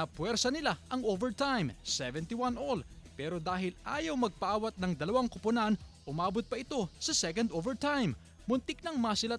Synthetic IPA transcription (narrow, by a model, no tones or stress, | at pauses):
ɐpwɛɾsɐnɪlaʔɐŋʔovɛɹt̪ajmsɛvɛnt̪iwanʔolpɛːɾo̞d̪aːɦɪlʔaːjɐwmɐɡ̚pɐʔaːwɐt̪̚nɐŋd̪ɐlɐwaŋkʊpʊnanʔʊmaːbot̪̚pɐʔɪt̪o̞sɐsɛkɐnd̪ʔovɛɹt̪ajm | mʊnt̪ɪk̚nɐŋmɐsɪla